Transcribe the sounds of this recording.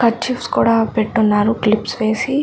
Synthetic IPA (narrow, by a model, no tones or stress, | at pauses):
kɐt͡ʃipskuːɽaːpeʈːunːaːɾuklipsʋe̞ːsi